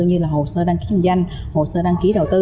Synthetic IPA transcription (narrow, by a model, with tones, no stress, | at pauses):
ɨ˧ɲɨ˧laː˨˩ho˨˩səː˧ɗaː˧ŋki˨˦˧za˧jŋ̟ | ho˨˩səː˧ɗaː˧ŋki˨˦ɗə˨˩wt̪ɨ˧